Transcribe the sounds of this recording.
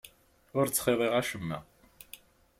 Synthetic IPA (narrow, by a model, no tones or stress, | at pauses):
ʊɾt͡sːχeðˤeʁæʃəmːæ̰